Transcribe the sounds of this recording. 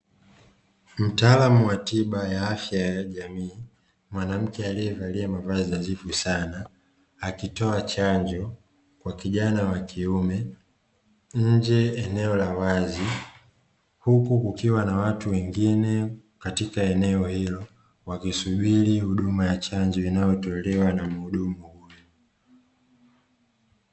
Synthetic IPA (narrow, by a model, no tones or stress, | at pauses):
m̩taːlamuwatiɓajaafjajaʄamiː | mwanam̩kɛaliɛvaliamavazinazifusanaː | kitɔat͡ʃaɲd͡ʒɔ | kwakiʄanawakʰiumɛ | ɲ̩d͡ʒɛɛnɛɔlawazi | hukukukiwanawatuwɛŋɡinɛ | katikaɛnɛɔhilɔ | wakisuɓilihuɗumajat͡ʃaɲd͡ʒɔinajɔtɔlɛwanam̩huɗumuhujɔ